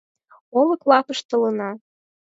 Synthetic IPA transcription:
olˠɤ̆klˠɑpɤʃt̪ɤ̆lɤ̆nɑ

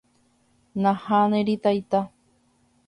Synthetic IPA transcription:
nãhanẽɾit̪ajt̪a

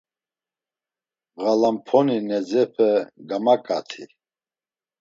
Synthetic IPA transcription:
ɣalampʰɔninɛd͡zɛpʰəɡamakʼat̪ʰḭ

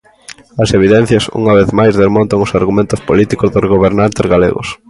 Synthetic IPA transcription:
ɐseβ̞iðɛn̟θjɐsṵŋɐβeθmajzðezmõnt̪ɐŋʊsaɾɣumẽnt̪ʊspolit̪ikʊzðozɣoβeɾnant̪ezɣalḛɣʊ̰s

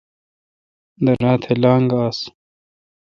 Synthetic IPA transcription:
d̪ɐɾaːt̪ʰelaːŋɡaːs

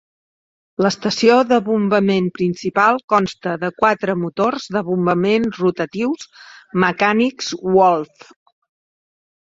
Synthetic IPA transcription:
ləst̪əsioðəβumbəmenpɾinsipalˠkɔnst̪əðəkwat̪ɾəmut̪orzðəβumbəmenzrut̪ət̪iwsməkanikzwɔlˠf

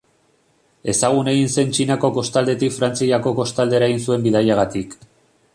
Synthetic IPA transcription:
e̞saɣ̞une̞ɣinse̞nt͡ʃinako̞ko̞st̪ald̪e̞t̪ikfɾant͡siʎako̞ko̞st̪ald̪e̞ɾaeɣinsue̞mbiðajaɣat̪ik

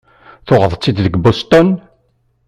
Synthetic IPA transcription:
θoʁəðˤt͡sːid̪ðəɡbost̪ɔn

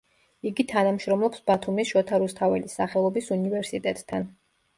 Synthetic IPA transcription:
iɡit̪ʰanamʃɾɔmlˠɔpsb̥at̪ʰumisʃɔt̪ʰaɾust̪ʰavɛlisaχɛlˠɔbisunivɛɾsit̪ʼɛt̪ʼt̪ʰːan

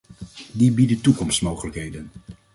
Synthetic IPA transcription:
dibidətukɔmstmowχələkɦejdən

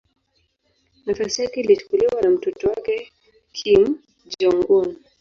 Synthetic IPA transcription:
nafasijakɛilit͡ʃu̥kuliwanam̩tɔtɔwakɛ | kʰim | d͡ʒɔŋɡɔn

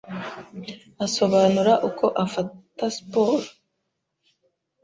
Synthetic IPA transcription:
aso̞βaːnuɾaʔukʰo̞ʔafataspoɾo

